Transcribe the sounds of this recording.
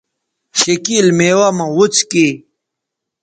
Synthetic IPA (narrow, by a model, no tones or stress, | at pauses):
ɕekilmeːwamɐwut͡ski